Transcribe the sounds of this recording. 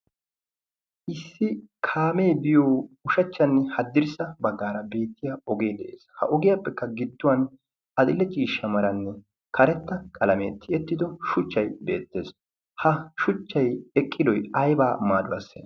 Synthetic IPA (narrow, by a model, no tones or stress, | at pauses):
ʔɪsːɪkʰaːme̞jbɪjoːʊʃɐt͡ʃːɐnːɛhɐd̪ːɪɾɪsɐbɐɡːaːɾɐbe̞ːt̪ːɪjaɔɡe̞ːd̪ɛʔḛːshɐ̰ʔɔɡɪjapːɛkːɐɡɪd̪ːʊwɐn | ɐd̪ɪlːɛt͡ʃʼiːʃːɐmɐɾɐnːɛ | kʰɐɾɛt̪ːɐkʼɐlɐmḛːt̪ʰːɪɛt̪ːɪd̪ɔʃʊt͡ʃːɐjbe̞̰ːt̪ːeːs | hɐʃʊt͡ʃːɐjɛkʼːɪd̪ɔjɐjbaːmaːd̪ʊwɐ̰sːḛ